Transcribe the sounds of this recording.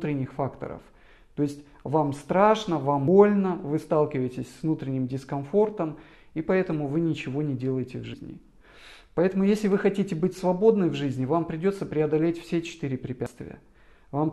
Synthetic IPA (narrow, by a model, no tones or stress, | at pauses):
t̪ɾʲɪnʲːɪxfakt̪ə̰ɾə̰f | t̪o̞ɪsʲtʲ | vamst̪ɾaʂnəvambo̞lʲnəvɨst̪alˠkʲɪvəjɪtʲɪsʲsvnut̪ɾʲɪnʲːɪmdʲɪskɐnfo̞rt̪əm | ipɐɛt̪əmʊvɨnʲɪt͡ɕɪvo̞nʲɪdʲe̞lˠəjɪtʲɪvʐɨzʲnʲɪ̰ | pɐɛt̪əmʊjesʲlʲɪvɨxɐtʲitʲɪbɨtʲsvɐbo̞d̪nɨjvʐɨzʲnʲɪvampɾʲɪdʲo̞t̪səpɾʲɪɐd̪ɐlʲetʲfsʲet͡ɕɪ̥t̪ɨɾʲɪpɾʲɪpʲast̪vʲɪ̰jə̰ | vam